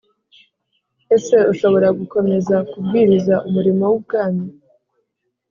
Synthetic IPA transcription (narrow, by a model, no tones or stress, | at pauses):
e̞se̞uʃo̞βo̞ɾaɡuko̞me̞zakubɡiːɾizaʔumuɾimo̞wub̚ɡaːni